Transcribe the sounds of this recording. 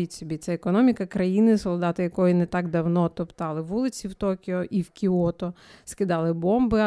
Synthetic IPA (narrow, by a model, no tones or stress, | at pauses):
itʲsʲɔbʲit̪sɛɛkɔnɔmʲikɐkɾɐjinɪsɔlˠd̪ɑt̪ɪjɐkɔjinɛt̪ɑɡd̪ɐwnɔt̪ɔpt̪ɑlˠɪʋulˠɪt͡sʲiwt̪ɔkʲɪɔʔiwkʲiɔt̪ɔskɪd̪ɑlˠɪbɔmbɪ